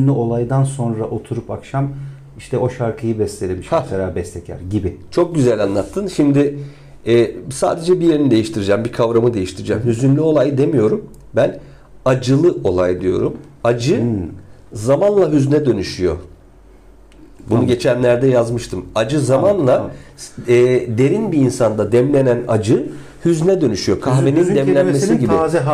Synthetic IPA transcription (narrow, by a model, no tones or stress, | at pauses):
nlʲyo̞lˠajd̪anso̞nɾaʔo̞t̪ʰuɾupakʃam | iʃt̪ʰɛo̞ʃaɾkʰɯjɯbɛslʲelʲemiʃaeɾabɛst̪ʰɛcʰæ̰ɾɟibɪt͡ʃʰo̞k̚ɟyzælʲanlˠat̪ʰːɯnʃimd̪ɪ | ɛːsa̰ːd̪e̞d͡ʒɛbije̞ɾinid̪e̞jiʃt̪ʰiɾid͡ʒɛmbikʰavɾamɯd̪e̞jiʃt̪ʰiɾid͡ʒæmhyzynlʲyo̞lˠajd̪e̞mijo̞ɾum | bæn | ad͡ʒɯlˠɯʔo̞lˠajd̪ijo̞̰ɾum | ad͡ʒɯ | zamanlˠaɦyznɛd̪ø̞nyʃyjo̞̰ | bunuɟe̞t͡ʃʰænlʲæɾd̪ɛjazmɯʃt̪ʰɯmad͡ʒɯzamanlˠa | ɛːd̪e̞ɾinbiːnsand̪ad̪ɛmlʲe̞nænad͡ʒɯ | hyznɛd̪ø̞nyʃyjo̞kʰaxve̞nind̪ɛmlʲænmesiɟibi